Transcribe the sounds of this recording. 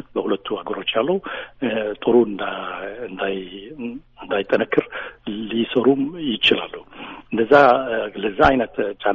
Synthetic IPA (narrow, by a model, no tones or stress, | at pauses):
ət̪̚bəhulət̪ʰːuaɡəɾo̞t͡ʃːjalːəhu | t̪ʼɨɾuɨnd̪aɨnd̪aj | ɨnd̪ajt̪ʼːənəkʰːɨɾlisəɾumjɪt͡ʃɪla̰lːuhɨnd̪əzːaləzːaajnət̪t͡ʃʼan